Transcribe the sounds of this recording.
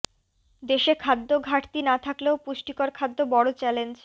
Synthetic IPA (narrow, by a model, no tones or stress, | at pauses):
d̪eʃekʰad̪ːoɡʱaʈt̪inat̪ʰakleopuʃʈikoɾkʰad̪ːobɔɽot͡ɕɛlend͡ʑ